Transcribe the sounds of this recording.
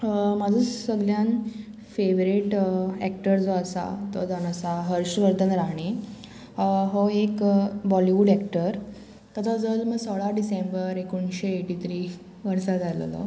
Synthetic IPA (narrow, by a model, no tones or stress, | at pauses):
mad͡zəsəɡljan | feʋɾiʈɛ̰k̚ʈəɾd͡zoasa̰t̪ɔd͡zanəsaɦəɾɕʋəɾd̪ənɾaɦɳ̃i | ɦoekbɔliʋuːɖɛkʈəɾ | t̪ət̪ʰad͡zəlməɡsəɭaɖisẽmbəɾekuɳɕeeʈit̪ɾi | ʋəɾsad͡zʱal̰lɔ̰